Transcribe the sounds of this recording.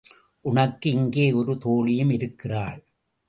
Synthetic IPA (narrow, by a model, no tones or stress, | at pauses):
ʔʊɳɐkːɯɪŋɡeːɔɾɯt̪oːɭɪjɯmɪɾɯkːɪraːɭ